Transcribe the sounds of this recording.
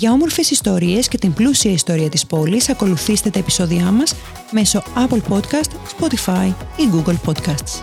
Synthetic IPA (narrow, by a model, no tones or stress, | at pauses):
ʝɐo̞mo̞ɾfe̞sist̪o̞ɾie̞sce̞t̪imblusiɐist̪o̞ɾiɐt̪ispo̞lisɐko̞luθist̪e̞t̪eːpi̥so̞ðiɐmɐs | me̞so̞ɐplpo̞t̪kɐst̪spo̞t̪ifɐjiɡuɡelpo̞t̪kɐst̪s